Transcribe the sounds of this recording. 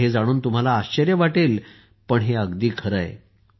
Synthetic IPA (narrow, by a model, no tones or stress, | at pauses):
ed͡zaɽ̃uːnt̪um̤alaːɕt͡ɕəɾjəʋaʈel | pəɳɦeəɡd̪iːkʰəɾə̰jḛ